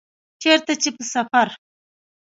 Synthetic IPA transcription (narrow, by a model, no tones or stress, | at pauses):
t͡ʃeɾt̪at͡ʃepəsafaɾ